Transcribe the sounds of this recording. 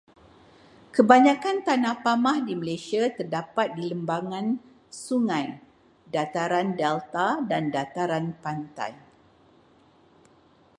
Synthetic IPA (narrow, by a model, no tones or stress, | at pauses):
kəbaɲãkant̪anahpamãhdiməlesiat̪ərdapat̪̚diləmbaŋãn | suŋãj | dat̪aɾandɛlt̪adandat̪aɾanpant̪a̰j